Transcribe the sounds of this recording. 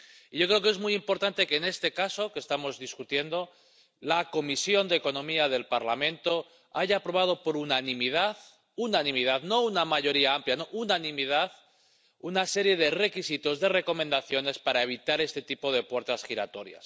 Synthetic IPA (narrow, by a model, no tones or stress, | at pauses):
iʝo̞kɾe̞okee̞zmujimpo̞ɾt̪ant̪eke̞ːne̞st̪e̞kaso̞ke̞st̪amo̞zðiskut̪je̞nd̪o̞ | lako̞misjo̞nd̪eko̞nõ̞miað̞e̞lpaɾlamẽ̞nt̪o̞ | aʝaːpɾo̞β̞að̞o̞po̞ɾunanĩmið̞að | unanĩmið̞aðno̞unamaʝo̞ɾiaampljano̞ʔunanĩmið̞að | unase̞ɾje̞ð̞e̞re̞kisit̪o̞zðe̞re̞ko̞mẽnd̪aθjo̞ne̞spaɾae̞β̞it̪aɾe̞st̪e̞t̪ipo̞ð̞e̞pwe̞ɾt̪asxiɾa̰t̪o̞ɾja̰s